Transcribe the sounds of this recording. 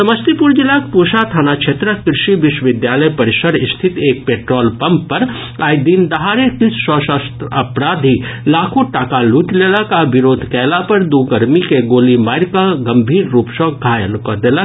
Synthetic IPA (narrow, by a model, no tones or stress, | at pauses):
sɐməst̪ipuɾd͡ʒɪlakpuʃat̪ʰaːnat͡ʃʰeːt̪ɾəkɾɪʃiʋɪʃwʋɪd̪jaːləjpɐɾɪʃəɾɪst̪ʰɪt̪eːk̚peːʈɾoːlpɐmpːɐɾ | aːjd̪iːnd̪ɐɦaːɾekisʃɔːʃast̪ɐpɾaːd̪ʱilaːkʰõʈaːkaluːʈleːlakaʋɪɾoːd̪ʱkɛːlapɐɾd̪uːkəɾmikeɡoːlimaːɪɾkaɡɐmbʱiːɾːuːpʃɔːɡʱaːjənkɔd̪eːla